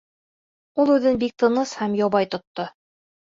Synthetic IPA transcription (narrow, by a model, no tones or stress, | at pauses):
ulˠʉðɘnbik̚t̪ɤ̆nɤshæmjɑβɑjt̪ŏt̪ːo